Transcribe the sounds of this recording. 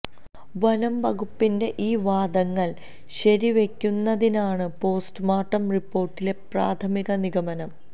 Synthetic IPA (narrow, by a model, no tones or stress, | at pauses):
ʋɐnɐmbɐɣupːinde̞ʔiːʋaːd̪ɐŋːɐɭ | ɕɐɾiʋe̞kʲːunːɐðinaːɳɨpo̞ːstɨmaːʈːɐmripːo̞ːrʈːile̞praːt̪ʰɐmiɣɐniɣɐmɐnɐm